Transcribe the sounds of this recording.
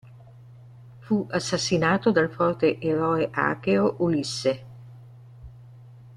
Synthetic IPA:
fuʔasːasːinaːt̪od̪alfɔrt̪eʔeɾɔːeʔa̰ːkeoʔulisːe

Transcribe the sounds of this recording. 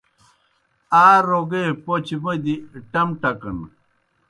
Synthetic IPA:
aːɾoɡepot͡ɕibɐd̪iʈɐmʈɐkɐ̰n

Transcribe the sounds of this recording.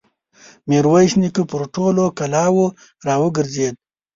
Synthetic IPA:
meɾwajʃnikupʊɾʈolokalɑːwo | ɾɑːwəɡəɾzed̪̚

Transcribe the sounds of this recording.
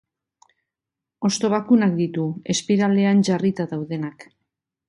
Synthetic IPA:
o̞st̪o̞β̞akunak̚d̪it̪ue̞spiɾald̪e̞anʝarit̪aðawðe̞nak

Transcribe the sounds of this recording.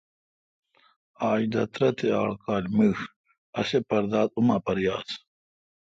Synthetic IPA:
aːjd̪ɐt̪ɾɐt̪ea̰ːɭkaːlʲməːx | ɐsepɐɾd̪aːd̪umapɐɾjaːs

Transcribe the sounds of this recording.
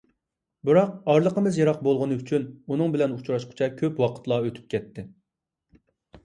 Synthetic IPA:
bɨɾɑq̚ɑɾlˠəqəmɨzjɑɾɑq̚bolˠʁʊnɨyt͡ʃʰynunɨŋbɪlɛnut͡ʃʰɾɑʃqʰʊ̥t͡ʃʰɛkʲʰøpwɑqʰə̥t̪lˠɑøt̪ʰy̥p̚kʲʰɛt̪ʰːɪ

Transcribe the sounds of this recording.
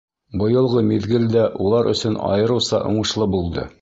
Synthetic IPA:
bɤ̆jɤ̆lˠʁɤmiðɡɘ̆ld̪æʔulˠɑɾʔɵ̆sɵnɒ̰jɤ̆ɾɤsɑ̰ʔoɴɤ̆ʃlˠɤbulˠd̪ɤ̰

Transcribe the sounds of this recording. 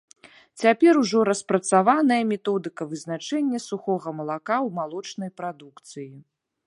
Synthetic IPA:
t͡sʲapʲɛɾuʐɔɾɐspɾɐt̪savanɐjɐmʲɛt̪ɔd̪ɨkɐvɨzn̪at͡ʂɛnʲːɐsuxɔɣɐmɐlˠakawmalˠɔt͡ʂn̪ɐjpɾad̪ukt̪sɨji

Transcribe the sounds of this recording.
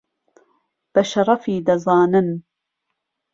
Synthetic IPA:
b̥ɐʃɐɾˤɑfiːd̪ɐzˤɑːnɪn

